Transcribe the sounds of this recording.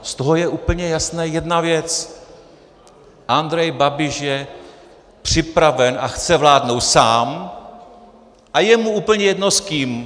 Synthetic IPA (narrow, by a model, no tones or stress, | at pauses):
st̪oɦojɛʔuːpl̩ɲɛjasnɛːjɛdnavjɛt͡s | ʔand̪ɾɛjbabɪʃjɛ | pr̝̥ɪpɾavɛnʔaxt͡sɛvlaːdno̞wt̪saːm | ʔajɛmuuːpl̩ɲɛjɛdnoskiːm